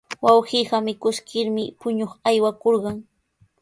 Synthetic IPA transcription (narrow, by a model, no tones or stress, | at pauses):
wawɢiːɢɑmɪkʊskɪɾmɪpʊɲoχajwakoɾɢɑŋ